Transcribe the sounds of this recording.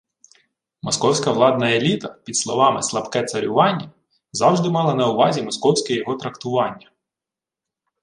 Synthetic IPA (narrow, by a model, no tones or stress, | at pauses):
mɔskɔwsʲkɐʋlˠɑd̪nɐelʲit̪ɐpʲid̪slˠɔʋɑmɪslˠɐpkɛt̪sɐɾʲʊʋɑnʲːɐ | zɑwʒd̪ɪmɑlˠɐnɐʊʋɑzʲimɔskɔwsʲkɛjɔɦɔt̪ɾɐkt̪ʊʋɑnʲːɐ